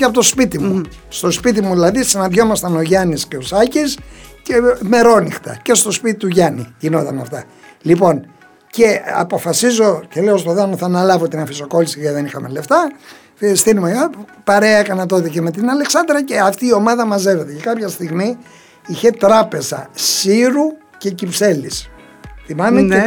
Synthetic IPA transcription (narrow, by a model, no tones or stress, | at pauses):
eɐpot̪ospit̪imu | st̪o̞spit̪̬imuðilɐðissinɐðʝo̞mɐst̪ɐno̞ʝɐnisceo̞sɐcisceme̞ɾo̞nixt̪ɐ̰ce̞st̪o̞spit̪it̪uʝɐnḭʝino̞t̪ɐnɐ̰ft̪ɐ | lipo̞n | ce̞ɐ̰po̞fɐsizo̞c̪eleost̪oðɐnoθɐnɐlɐvot̪inɐfiso̞ko̞lisiɣɐðe̞nixɐme̞le̞ft̪ɐ | fst̪inumeo | pɐɾe̞ɐekɐnɐt̪o̞ðiceme̞t̪̬inɐle̞ksɐnd̪ɾɐce̞ɐft̪iːo̞mɐðɐmɐze̞ve̞t̪ecekɐpçɐst̪iɣmi | içe̞t̪ɾɐpe̞zɐ̰siɾu | ce̞cipse̞lis | θimɐme